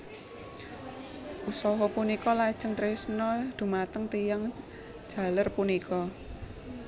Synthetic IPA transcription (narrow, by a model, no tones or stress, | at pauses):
ʔusɔɦɔpunikɔlad̥ʒ̥əŋt̪ɾesnɔd̪̥ṳmat̪əŋt̪ijaŋ̥ | ʒ̥a̤lərpunikɔ